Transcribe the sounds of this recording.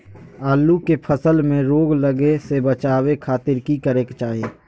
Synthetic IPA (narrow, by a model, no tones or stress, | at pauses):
aːlːukepʰəsəlmẽɾoːɡləɡesebət͡ʃaːwekʰaːt̪ɪɾkikəɾeːkt͡ʃaːɦieː